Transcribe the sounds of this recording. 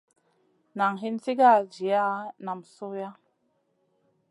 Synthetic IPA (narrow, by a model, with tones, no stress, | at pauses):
na˨ŋɦi˦nsi˦ɡa˦˨d͡ʒi˨a˦na˨mso˦ja˦